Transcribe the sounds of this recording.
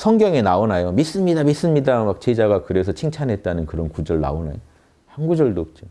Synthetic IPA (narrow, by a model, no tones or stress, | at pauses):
sʰʌŋɡjʌŋenaonajomis͈ɯmɲidamis͈ɯmɲidamak̚t͡ɕe̞d͡ʑaɡakɯɾe̞sʰʌt͡ɕʰiŋt͡ɕʰanɦe̞t̚t͈anɯnkɯɾʌnkud͡ʑʌɭna̰ona̰jo | hanɡud͡ʑʌɭdoːp̚t͡ɕ͈o